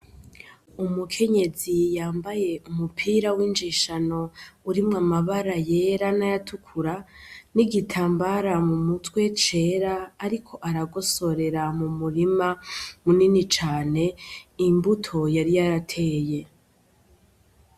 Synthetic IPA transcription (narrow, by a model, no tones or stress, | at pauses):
umukʰe̞ɲe̞zijaːmbaje̞umupʰiːɾawind͡ʒiʃano̞uɾimŋamaβaɾaje̞ɾanajatʰukʰuɾaniɡitʰaːmbaɾamumutwe̞t͡ʃe̞ːɾaːɾikʰo̞ʔaɾaɡo̞so̞ɾe̞ɾamumuɾimamuninit͡ʃaːne̞imbutʰo̞jaɾijaɾatʰe̞ːje̞